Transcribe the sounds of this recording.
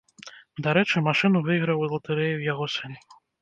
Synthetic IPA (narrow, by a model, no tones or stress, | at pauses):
d̪aɾɛt͡ʂɨmaʂɨnuvɨiɣɾɐwzlˠɐt̪ɛɾɛjiwjaɣɔsɨn